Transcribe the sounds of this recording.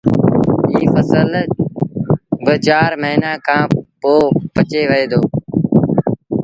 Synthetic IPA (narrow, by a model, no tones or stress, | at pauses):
iːfəsəl | bət͡ʃaːɾməɦinãːkʰãːpoːpət͡ʃeːʋəeːd̪oː